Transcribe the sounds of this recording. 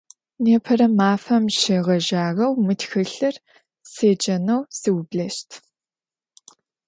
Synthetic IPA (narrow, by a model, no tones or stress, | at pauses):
neːpʰɐɾɐmaːfɐmʃeʁɐʒaːʁɐwmɨtxɨɬɐr | seːd͡ʒʼɐnɐwsɨwbɮɐʃtʰ